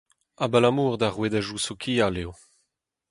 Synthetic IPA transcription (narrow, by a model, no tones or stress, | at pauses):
abalamuːʁd̪aʁwedaʒusokʰialeo